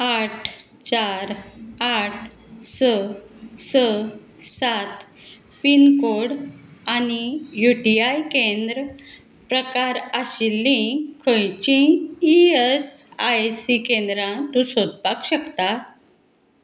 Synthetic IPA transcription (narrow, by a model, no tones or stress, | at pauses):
aʈʰ | t͡ɕaɾaʈʰ | səsə | sat̪ | pinkoɽanijuʈiajkend̪ɾ | pɾəkaɾaɕilːĩkʰəjt͡ɕĩː | esajsikẽnd̪ɾãt̪usod̪pakɕəkt̪a